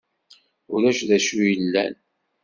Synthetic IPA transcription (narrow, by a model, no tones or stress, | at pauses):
ʊɾæʃðæʃujəlːæ̰n